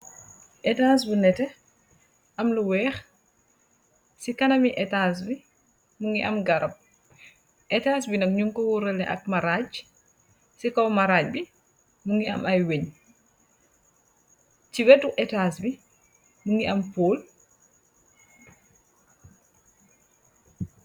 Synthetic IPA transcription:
ʔɛtaːs̬bunɛtɛ | ʔɐmluwɛːx | sikɐnɐmiʔɛtaːs̬bi | muŋɡiʔɐmɡɐɾɐp̚ | ʔɛtaːs̬binɐk̚ɲuŋkɔwuɾɛlɛʔɐ̰k̚mɐɾaːɟ | sikɔwmɐɾaːc̚bi | muŋɡiɐ̰mɐjweɲ | ciwɛtːuʔɛtaːsbi | muŋɡiʔɐmpoːl

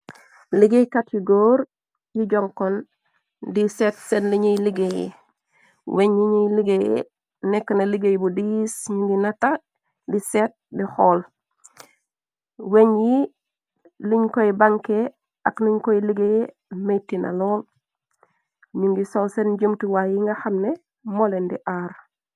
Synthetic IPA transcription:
liɡejkatjiɡoːɾ | jiɟoŋkon | disetsenliɲiliɡejḛ | weɲjiɲiliɡejḛ | nekːənaliɡejbudisɲuŋɡinata | diset̚dixoːl | weɲji | liɲkojibaŋke | akniɲkojiliɡeje | mejtina̰loːl | ɲuŋɡisolsend͡ʒumtiwajiŋɡaxamne | molendiʔaɾ

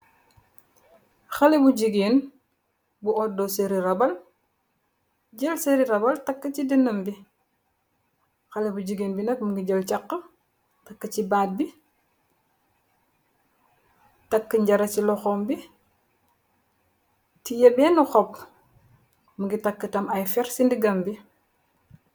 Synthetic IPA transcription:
xɐlebuɟiɡeːn | buʔɔdɔseɾiɾɐbɐl | ɟɐlseɾiɾɐbɐltɐkːət͡ʃidinːɐmbi | xɐlɛbuɟiɡenbinɐk̚muɡiɟɐlt͡ʃɐqːə | tɐkːət͡ʃibaːt̚bi | tɐkːəɲɟɐɾɐt͡ʃilɔxɔːmbi | tijɐbɛːnuxɔp | muŋɡitɐkːətɐmɐjfɛɾsindiɡɐmbi

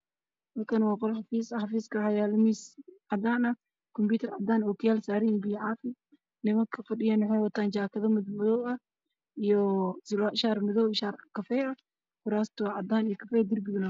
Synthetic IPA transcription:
mɐlkʰɐnwɑːqɔlħɑfiːsɐħɑfiːskʰɐħɑjaːlmiːsʕɑd̪aːnɐ | kʰɔmbuːt̪ʰɐrʕɑ̰d̪aːnɔːkʰʊjaːlsaːɾijbijʕɑːfɪ | nɪmɐŋkʰɐfɐɖɪjaːnħɛjwɐt̪ʰaːnt͡ʃaːkʰɐðɐmɪdmʊðɔːwɐ | ijɔsɪlaːʃaːrmʊðɔːwʃaːrkʰɐfɛjɐ | kʊɾaːst̪ʰʊʕɑd̪aːnijɔkʰɐfɛːd̪ɪrbɪðʊnɐ

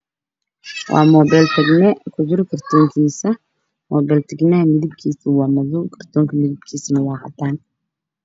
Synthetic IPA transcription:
wʔɑ̰ːmɔːbɛlt̪ʰɛɡnɛkʰʊd͡ʒɪɾkʰɐrt̪ʰɔːŋkʰiːsɐ | mɔːbɛːlt̪ʰɐɡnɐhɐmɪðɪb̚kʰiːsɪwɑːmɐðʊkʰɐrt̪ʰɔːŋkʰɐmɪðɪbkʰiːsɐnɐwɑːhɐ̰t̪ʰaːn

